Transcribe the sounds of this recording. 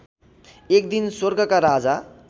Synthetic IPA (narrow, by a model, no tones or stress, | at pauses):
ek̚d̪inswoɾɡʌkaɾad͡za